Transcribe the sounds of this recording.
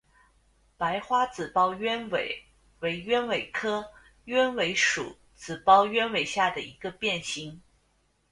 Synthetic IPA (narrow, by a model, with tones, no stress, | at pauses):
pa˧˥ɪxwa˥t͡sɹ̩˨˩pɑ˥ʊɥɛ˥nwe˨˩ɪ | we˧˥ɪɥɛ˥nwe˨˩ɪkʰɤ˥ | ɥɛ˥nwe˧˥ɪʂṵ˨˩˦ | t͡sɹ̩˨˩pɑ˥ʊɥɛ˥nwe˨˩ɪɕja˥˩d̪ə˩i˧˥ɡ̥ə˧pjɛ˥˩nɕi˧˥ŋ